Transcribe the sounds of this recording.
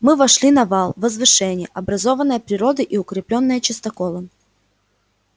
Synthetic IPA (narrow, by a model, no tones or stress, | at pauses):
mɨvɐʂlʲinɐvɑlˠvəzvɨʂɛnʲɪjə̰ʔɐbɾɐzo̞vənːəjəpɾʲɪɾo̞d̪əʔiʊkɾʲɪplʲo̞nːəjət͡ɕɪst̪ɐkolˠən